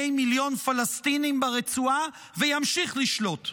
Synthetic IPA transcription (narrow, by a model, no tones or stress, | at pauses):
jmiljo̞nfalastinimbeʁet͡sua | vejamʃiχliʃlo̞t